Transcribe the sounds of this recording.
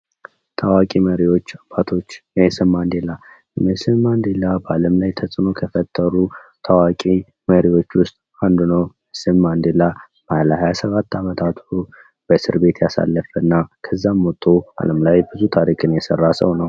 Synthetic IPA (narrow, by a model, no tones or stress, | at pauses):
t̪ʰawakʼiməɾiwo̞t͡ʃːab̥at̪ʰo̞t͡ʃːməsɨmːand̪ela | jmɛsɨmːand̪elabəaləmlajt̪ʰəsʼɨno̞kʰəfət̪ʼʰːəɾut̪ʰawakʼi | məɾiwo̞t͡ʃːwʊst̪ʼ | and̪unəwməsɨmːand̪ela | b̥əalhajasəβat̪ːamət̪ʰat̪ʰu | b̥əsɨɾbe̞t̪ʰjasa̰lːəfənːakʰəzːamot̪ʼːoa̰ləmlajbɨzut̪ʰaɾikʰʼɨnjɛsərːasəwnəw